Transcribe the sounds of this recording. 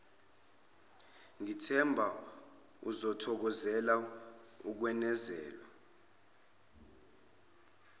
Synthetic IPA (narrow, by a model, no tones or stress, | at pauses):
ŋitʰɛmbʱa | uzɔtʰɔk̬ɔzɛla | uk̬wɛnɛzɛːlwa